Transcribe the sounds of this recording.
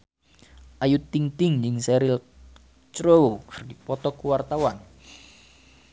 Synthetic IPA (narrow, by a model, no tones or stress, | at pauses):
ʔajut̪iŋt̪ɪŋɲd͡ʒɪŋsɛɾɪl | t͡ʃɾokrdipɔt̪ɔkuwart̪awan